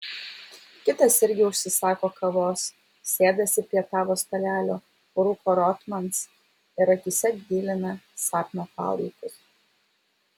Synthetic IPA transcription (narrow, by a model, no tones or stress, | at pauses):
kʲɪt̪ɐsɪɾʲɡʲɪʊʃʲsʲɪsɑːkoːkʰɐʋoːs | sʲeːd̪ɐsʲɪpʲɾʲiɛt̪ɑːʋoːst̪ɐlʲæːlʲoː | ɾʊkoːɾɔt̪mɐns | ɪɾɐkʲɪsʲɛɡ̪ʲiːlʲɪnɐsɑːp̪ʲmʲopɑ̰ːlˠɐɪkʊs